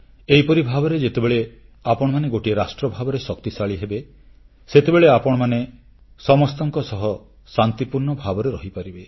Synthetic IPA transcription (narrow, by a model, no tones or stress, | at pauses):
ejpɔɾibʱabɔɾed͡ʒet̪ebeɭe | apɔɽ̃ɔmaneɡoʈiɾasʈɾɔbʱabɔɾesɔk̚t̪isaɭiɦebe | set̪ebeɭeapɔɽ̃ɔmane | sɔmɔst̪ɔŋkɔsɔɦɔ | sant̪ipuɾɳɔbʱabɔɾeɾɔɦipaɾibe